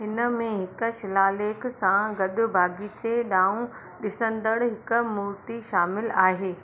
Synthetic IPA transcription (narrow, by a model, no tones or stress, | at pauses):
ɦɪnə̆mẽɦɪkə̆ʃɪlaːleːksãɡɐɗʊ̆bʱaːɡit͡ɕeɗaːũ | ɗɪsə̃nd̪əɽɦɪkə̆mʊɾt̪iʃaːmɪlaːɦeː